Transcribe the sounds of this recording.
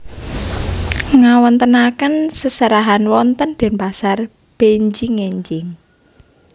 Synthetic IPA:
ŋawɔnt̪ənakənsəsəɾaɦanwɔnt̪ənd̪̥ɛ̤npasar | b̥eɲd͡ʒɪŋeɲd͡ʒɪŋ

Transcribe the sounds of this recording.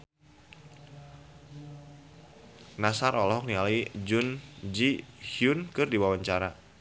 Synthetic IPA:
nasaɾʔɔlɔɦɔk̚nialid͡ʒund͡ʒihiunkɨrdiwawaɲt͡ʃaɾa

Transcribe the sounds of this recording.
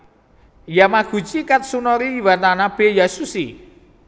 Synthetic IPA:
jamaɡ̥ṳ̥t͡ʃikat̪̚sunɔɾiiwat̪anab̥ejasusi

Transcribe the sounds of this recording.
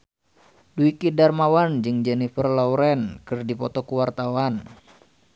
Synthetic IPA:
duikidarmawand͡ʒɨŋd͡ʒɛnifərlawɾɛnkɨrdipɔt̪ɔkuwart̪awan

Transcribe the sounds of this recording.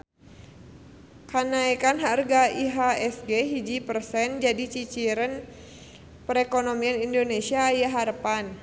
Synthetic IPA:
kanaikanɦarɡaiɦaɛsɡeɦid͡ʒipərsɛnd͡ʒadit͡ʃit͡ʃiɾən | pəɾɛkonomianindonesiaːjaɦaɾəpan

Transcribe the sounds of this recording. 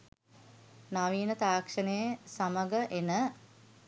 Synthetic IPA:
naʋiːnət̪aːkʂənəjəsaməɡəʔenə

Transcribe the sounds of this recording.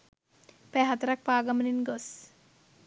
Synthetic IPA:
pɛɦat̪ɾak̚paːɡaməninɡɔs

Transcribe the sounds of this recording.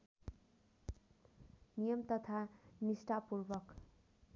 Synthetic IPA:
nijʌmt̪ʌt̪ʰanisʈapurbʌk

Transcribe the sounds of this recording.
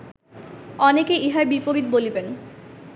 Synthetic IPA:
ɔnekeiɦaebipoɾit̪boliben

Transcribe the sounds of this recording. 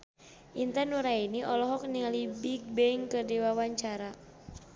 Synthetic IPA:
ʔint̪anuɾainiʔɔlɔɦɔk̚niŋalibik̚bɛiŋkɨrdiwawaɲt͡ʃaɾa

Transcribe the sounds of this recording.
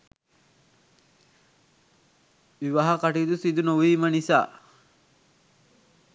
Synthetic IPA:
ʋiʋaɦɐkaʈid̪usid̪unoʋiːmənisa̰ː

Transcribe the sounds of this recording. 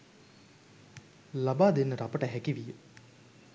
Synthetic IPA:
labaːd̪enːəɾapəʈəɦækiʋijə

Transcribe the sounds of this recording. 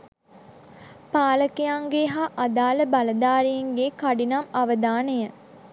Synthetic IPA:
paːləkejaŋɡeɦaʔad̪aːləbaləd̪aːɾiiŋɡekaɖinamaʋəd̪aːnəjə

